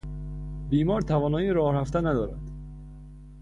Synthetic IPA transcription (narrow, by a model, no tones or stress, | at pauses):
biːmɒːɾt̪ʰævɒːnɒːjiɾɒːhɾæft̪ænæd̪ɒːɾæ̰d̪̥